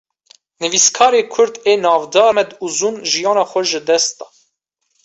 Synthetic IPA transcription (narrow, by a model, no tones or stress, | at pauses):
nɨviskʰɑːɾeːkʰʊɾd̪eːnɑːvd̪ɑːmɛd̪uzuːnʒijɑːnɑxʷɔʒəd̪ɛst̪ɑ